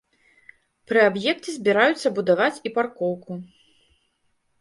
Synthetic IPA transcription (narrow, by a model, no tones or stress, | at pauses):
pɾɨabjɛktʲizʲbʲiɾajut̪sːɐbud̪avat͡sʲiparkɔwku